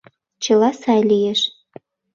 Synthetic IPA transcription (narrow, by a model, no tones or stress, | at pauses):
t͡ɕəlɑsɑjlijeʃ